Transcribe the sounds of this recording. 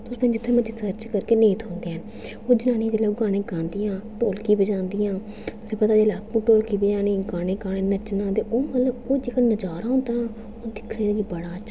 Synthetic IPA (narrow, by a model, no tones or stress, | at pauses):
t̪ʊsẽːd͡ʒɪt̪ʰːẽːməd͡ʒiːsəɾt͡ʃkəɾkeːneːt̪ʰõːnd̪eaːn | oːd͡ʒənãːniːd̪eːlaːoɡaːɽ̃ẽːkãːnd̪ijãːʈoːlkiːbəd͡ʒãːnd̪iːãː | t̪ʊsẽːpət̪aːd͡ʒeːlaːkũːʈoːlkiːbəd͡ʒãːneːɡaːɽ̃ẽːkaːɽ̃ẽːnət͡ʃnãːt̪eːʔoːmət̪ləboːd͡ʒeːkənəd͡ʒaːɾaːɦʊ̃ːnd̪aː | oːd̪ɪkʰɽeːd̪eɡiːbəɽaːt͡ʃʰ